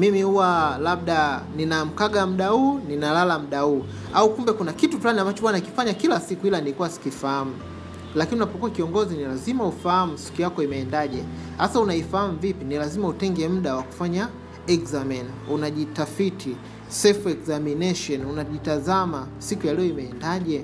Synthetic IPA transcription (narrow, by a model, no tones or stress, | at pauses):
mimihuwalaɓ̚ɗaninam̩kaɠam̩ɗahuːninalalam̩ɗauː | aukumbɛkunakituflaniambat͡ʃɔɓwanaki̥faɲakilasikuilanikuwasi̥kifaham̩ | lakiniunapɔkuakiɔŋɡɔzinilazimaufaham̩si̥kujakɔimɛːndaʄɛ | hasaunaifaham̩vipinilazimautɛŋɡɛm̩ɗawaku̥faɲa | ɛkzamɛnunaʄitafitʰi | sɛlfɛkzaminɛʃɔnunaʄitazama | sikujalɛɔimɛːndaʄɛ